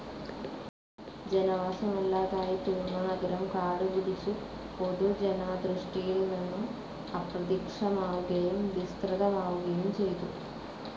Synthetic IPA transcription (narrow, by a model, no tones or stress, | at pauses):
d͡ʒɛnɐʋaːsɐmɛlːaːd̪aːjit̪uːɾnɐnɐɡɐɾɐmkaːɽuʋuɽisu | pod̪ud͡ʒɛnaːd̪ɾuʂʈijɐlunɐnːu | ɐpɾɐd̪ikʂɐmaːwuɡɐjɐmd̪ist̪ɾɐd̪ɐmaːwuɡɐjɐmt͡ʃejt̪u